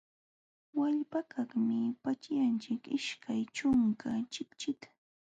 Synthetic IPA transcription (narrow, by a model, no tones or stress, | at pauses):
waʎpakʰɑχmɪpat͡ʃjant͡ʃɪkɪʃkʰajt͡ʃʊŋkat͡ʃɪkt͡ʃɪt̪ḁ